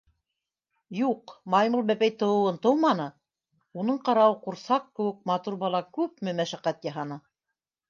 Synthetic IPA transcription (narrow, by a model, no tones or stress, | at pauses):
juqmɑjmulˠbæpæjt̪ɤ̆wɤ̆wɤnt̪ɤwmɑnɤ | unɤɴqɑɾɑwɤquɾsɑqkɘ̆wɘk̚mɑt̪uɾbɑlˠɑkʉp̚mɘmæʃæqæt̪jɑɦɑnɤ